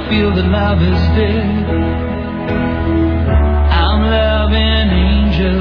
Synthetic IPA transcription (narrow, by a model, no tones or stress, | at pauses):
filˠðɨlʌvɪzdɛ | ãɪ̃mlʌvɪ̃ŋɨ̃nẽɪ̃nd͡ʒɨ